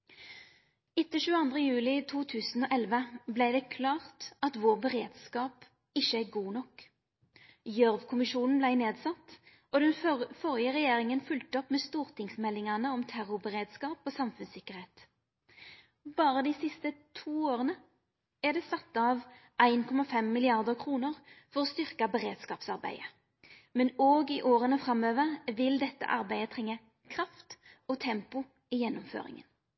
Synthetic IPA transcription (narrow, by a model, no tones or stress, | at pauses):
ɪt̪ːəʃʉːəɑnd̪ʁəjʉːlɪt̪ʰuːt̪ʰʉːsn̩oːʔɛlʋəblæɪd̪ɛːkʰlɑːʁt̪ɑt̪ʋoːʁbəʁeːd̪skɑːp | ɪʃəæɡuːnɔk | jœʁʋkʰʊmɪʃuːnn̩blæɪneːd̪sɑt̪ː | oːd̪ɛnfɔʁɪjəʁɛjeːʁɪŋənfʉlt̪əɔpmeːst̪uːʁt̪ʰɪŋsmɛlːɪŋɑnəɔmt̪ʰæʁʊbəʁeːd̪skɑːpoːsɑmfʉnsɪkəʁheːt̪ | bɑːʁəd̪iːsɪst̪ət̪ʰuːoːʁənə | æd̪ɛːsɑt̪ːəɑʋ | æɪnkʰɔmɑfɛmːɪlɪɑʁd̪əʁkʰʁuːnəʁfɔʁɔːst̪ʏʁkɑbɛʁeːd̪skɑːpsɑʁbæ̰ɪə | mɛnoːɡɪʔoːɾənəfɾɑmøːʋəʁʋɪld̪ɛt̪ːə̰ʔɑ̰ɾbæɪət̪ʰʁɛŋːə | kʰʁɑft̪ɔːt̪ʰɛmpʊ | ɪjɛnːʊmfø̰ːɾɪ̰ŋə̰n